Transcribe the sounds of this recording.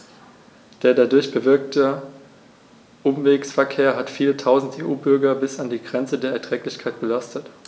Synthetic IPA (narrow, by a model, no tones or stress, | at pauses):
d̥eːɐdadʊɐçb̥əvɪɐk̚tʰə | ʔʊmveːksfɛɐkʰeːɐɦatfiːlətʰaʊzn̩teːʔuːbʏɐɡɐbɪsandiːɡʁɛnt͡sədeːɐɛɐtʁ̥ɛːklɪçkʰaɪt̚b̥əlastʰət